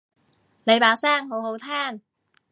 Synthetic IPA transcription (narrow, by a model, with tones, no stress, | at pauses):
le˨˥jpaː˨˥saː˥˩ŋho˨˥who˨˧wt̪ʰaː˥˩n